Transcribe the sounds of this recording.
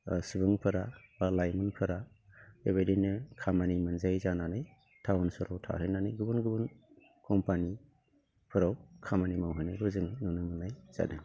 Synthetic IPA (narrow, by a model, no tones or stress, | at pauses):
sɯbɯŋpʰɯɾabalajmɯnpʰɯɾa | eβajdenɯkʰamanimɯnzajzananɯj | tʰawunsɔɾawtʰa̰ɦɯjnanɯjɡɯbɯnɡɯbɯn | kʰɔmpani | pʰɯɾawkʰamanimawɦɯjnɯjɡɯzɯŋnunɯmɯnajz̥a̰nɯ